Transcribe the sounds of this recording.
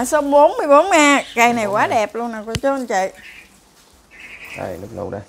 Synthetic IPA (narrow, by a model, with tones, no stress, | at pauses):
so˧˦ɓo˨˦nmɨ˧əjɓo˨˦nŋaː˧kaː˧˩jna˨˩jkwaː˨˦ɗɛ˨˩p̚lu˧ənːaː˨˩kɔ˧˦t͡ɕo˧ə˧nt͡ɕḭ˧˨j | ɗa̰˧˩jlɨ˦˥k̚lṵ˧wɗə˨˧˨